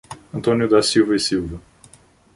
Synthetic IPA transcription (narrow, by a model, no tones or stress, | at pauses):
ɐ̃nt̪õnjʊd̪asiwvɐisiwvɐ